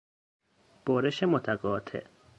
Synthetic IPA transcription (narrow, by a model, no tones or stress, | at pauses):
b̥oɾeʃemot̪ʰæɡɒːt̪ʰḛ